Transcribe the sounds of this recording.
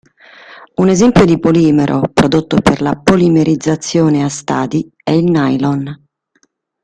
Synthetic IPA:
unezɛmpjod̪ipoliːmeɾʔo̰pɾod̪ot̪ːoperlapolimeɾid̪zːat̪sːjoːneast̪a̰ːd̪i | ɛilnajlɔn

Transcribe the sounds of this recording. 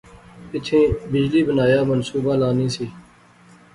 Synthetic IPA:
ɪt̪ʰẽːbɪd͡ʒliːbənaːjaːmənsuːbaːlaːnĩːsiː

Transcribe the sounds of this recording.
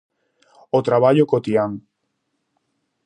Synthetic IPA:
ot̪ɾaβaʎokot̪iaŋ

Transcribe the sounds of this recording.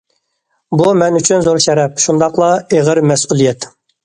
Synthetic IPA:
bumɛnyt͡ʃʰynzoɾʃɛɾɛp̚ʃund̪ɑqlˠɑeʁəɾmɛsulˠijɛt̪

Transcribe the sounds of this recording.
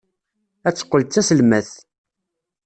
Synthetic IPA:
æt͡sːə̥qːəlt͡sːæsəlmæθ

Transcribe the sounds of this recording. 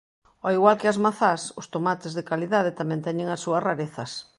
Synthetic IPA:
oiɣwalkɪɐzmaθasʊst̪omat̪ɪzðɪkaliðað̞ɪt̪amɛ̃nt̪ɛɲeŋɐsːuɐsraɾeθɐs

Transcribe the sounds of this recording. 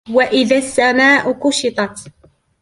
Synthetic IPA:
waʔɪðasːamaːʔʊkʊʃɪt̪ˤɑt̪

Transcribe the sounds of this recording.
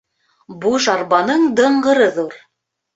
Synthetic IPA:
buʃɑɾβɑnɤɴd̪ɤ̆ɴɢɤ̆ɾɤðuɾ

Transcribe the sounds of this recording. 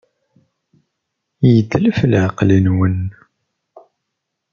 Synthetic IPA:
jəd̪ːləflʕəqlinwən

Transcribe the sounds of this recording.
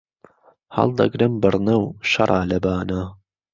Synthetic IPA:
hɐ̰lˠd̪ɐ̰ɡɾɨmbɨɾnɐwʃɐɾˤʔɑːlɐbaːna

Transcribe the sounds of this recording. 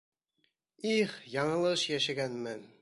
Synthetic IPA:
iχjɑɴɤ̆lˠɤʃjæʃæɡænmɘ

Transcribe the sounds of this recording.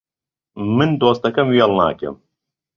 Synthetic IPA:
mɨnd̪oːst̪ɐkɐmwiɑlˠna̰ːkɐ̰m

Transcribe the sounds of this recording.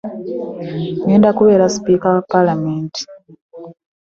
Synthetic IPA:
ŋeːndakuβeɾaspikapalameːnti̥

